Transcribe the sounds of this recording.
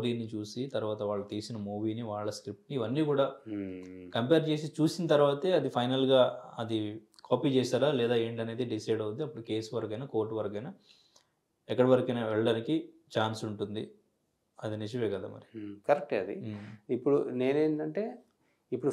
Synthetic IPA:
oɾiːnit͡ʃuːsit̪ɐɾuʋaːt̪ɐʋaːɭːɐt̪iːsinɐmuːʋiːniʋaːɭːɐskɾip̚ʈniːʋɐnːiːkuːɽaː | kɐmpeːɾt͡ʃe̞ːs̬it͡ʃuːsinɐt̪ɐɾʋaːt̪eːɐd̪ipʰɐjnɐlɡaːɐd̪ikʰoːpiːt͡ʃɛːsaːɾaːlɛːd̪aːe̞ːɳʈɐne̞ːd̪iɖisɐjɖɐʋuniɐpːuɽuke̞ːsʋɐɾɐk̬ɐjnɐko̞ːɾʈuʋɐɾɐkɐjnɐ | ɛkːɐɽɐʋɐɾɐkɐjnɐʋɛɭːɐɽaːnikit͡ʃaːnsuɳʈund̪i | ɐd̪inid͡ʒɐʋeːkɐd̪a̰ːmɐ̰ɾikɐɾek̚ʈɐd̪ḭipːuɽune̞ːneːɳʈɐɳʈe̞ː | ipːuɽ

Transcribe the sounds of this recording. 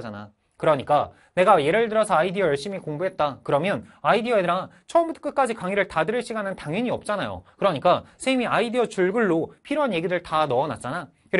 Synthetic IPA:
d͡ʑana̰ | kɯɾʌɲik͈a | ne̞ɡaje̞ɾɯɭdɯɾʌsʰʌaidiʌjʌɭɕ͈imikoŋbuɦe̞t̚t͈akɯɾʌmjʌnaidiʌeɾat͡ɕʰʌʌmbutʰk͈ɯk͈ad͡ʑikaŋiɾɯɭtadɯɾɯɭɕ͈ʰiɡanɯntaŋʌɲiʌp̚t͡ɕ͈anajo̰kɯɾʌɲik͈asʰemiaidiʌt͡ɕuɭɡɯɭːopʰiɾoɦanje̞ɡidɯɭtanʌːna̰t̚t͡ɕ͈ana | kɯɾ

